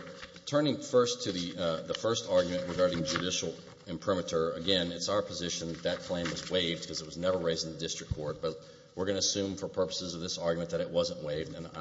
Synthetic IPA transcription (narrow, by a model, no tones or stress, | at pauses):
tʰɜ̃˞nɪ̃ŋfɜ˞stʰɨðiðəfɜ˞stɑɹɡjmɨ̃nʔɹɨɡɑɹɾɪ̃ŋd͡ʒɨɾɪʃl̩ˠ | ɨ̃mpʰɹ̥ɪ̃mɨt͡ʃə˞ɨɡɛ̃nɨtsaʊə˞pʰəzɪʃɨ̃nðt̪ðɨt̚kʰl̥ẽɪ̃mwʌzweɪvd̚kʰʌzɨt̚wʌznɛvə˞ɹeɪz̃n̩ðɨdɪstɹ̥ɨkʰɔɹt̚b̥ʌt̚ | wɨɹɡʌnɨsʉ̃ɱfə˞pʰɜ˞pə̥sɨzʌvðɪsɑɹɡjmɨ̃nðɨɾɨʔ̚wʌzə̃nʔweɪvdɨ̃n